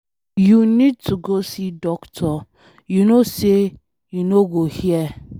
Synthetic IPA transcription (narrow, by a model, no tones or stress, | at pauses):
junid̚tʰuɡosidɔktʰɔ | junose | junoɡohiɛ